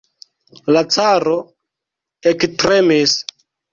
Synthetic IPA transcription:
lat͡saɾo̞ | ektɾemis

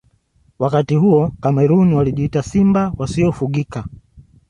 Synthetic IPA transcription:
wakatiɦuɔkamɛɾuniwaliʄiitasimbawasiɔfuɠika

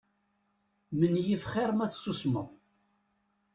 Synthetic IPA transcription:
mənjifχɪɾˤmæθsːusməʁ

